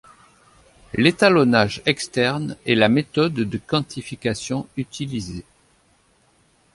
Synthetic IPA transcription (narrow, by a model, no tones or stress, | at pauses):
let̪alɔnaʒɛkst̪ɛʁnɛlamet̪ɔd̪d̪əkɑ̃t̪ʰifikasjɔ̃yt̪ilize